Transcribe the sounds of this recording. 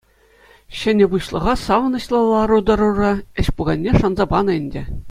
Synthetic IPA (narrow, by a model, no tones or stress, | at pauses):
ɕɘ̆nʲɘ̆buɕlˠɤ̆ʁɑsɑʋɤ̆nɤ̆ɕlˠɤ̆lˠːɑɾud̪ɤ̆ɾurɑɘ̆ɕpuɡɑnʲːeʂɑnzɑbɑnɤ̆ɘnʲdʲɘ̆